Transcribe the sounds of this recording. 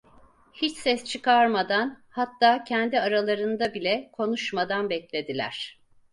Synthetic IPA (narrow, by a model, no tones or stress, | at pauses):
hit͡ʃsɛst͡ʃʰɯkʰaɾmad̪anhat̪ːaːcʰɛnd̪iaɾalˠaɾɯnd̪abilʲɛkʰo̞nuʃmad̪anbɛclʲe̞d̪ilʲæ̰ɾ̥